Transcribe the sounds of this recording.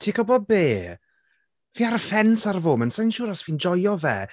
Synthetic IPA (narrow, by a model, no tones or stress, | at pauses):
tʰiːkʰɔbɔbeː | viːaɾfɛnsarvoːmənsajnʃuːɾasviːnd͡ʒɔjɔvɛ̰ː